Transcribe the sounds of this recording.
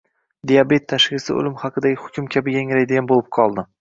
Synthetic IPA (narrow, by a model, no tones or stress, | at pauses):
d̪ijabe̞t̪ʰːaʃɡʲɪsɪ̰ʊ̰lɪmhɑqɨd̪aɡʲɪhʊ̥kʲʰʊmkʲʰabɪɡʲaŋʲɾajd̪ɪɡʲanbolɪp̚qʰɒlˠd̪ɪ